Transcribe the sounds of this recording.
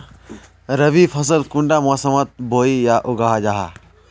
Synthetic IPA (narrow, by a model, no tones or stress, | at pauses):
ɾəʋipʰɐsəlkũɳɖamɔsəmət̪̚bʱoːijaʔʊɡaːɦad͡ʒaːɦa̰